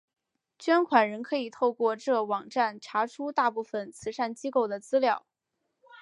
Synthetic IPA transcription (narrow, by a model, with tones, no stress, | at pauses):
t͡ɕɥɛ˥nkʰwa˨˩nɻə˧˥nkʰɤ˧˥i˨˩t̪ʰo˥˧ʊkwɔ˥˧ʈ͡ʂɤ˥˩wɑ˨˩ŋʈ͡ʂa˥˩nʈ͡ʂʰa˧˥ʈ͡ʂʰu˥t̪a˥˧pu˥˩fə˩nt͡sʰɹ̩˧˥ʂa˥˩nt͡ɕi˥ko˥˩ʊd̪ə˩t͡sɹ̩˥ljɑ˥˩ʊ